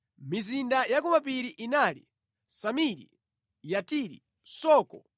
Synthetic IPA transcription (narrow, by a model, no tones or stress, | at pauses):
mizindajakɔmapiɾiʔinalḭ | samiɾḭ | jatiɾḭ | sɔːkɔ